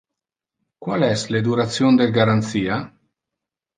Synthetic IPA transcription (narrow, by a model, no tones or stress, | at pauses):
kwalɛsled̪uɾat̪sjond̪elɡaɾant̪siːa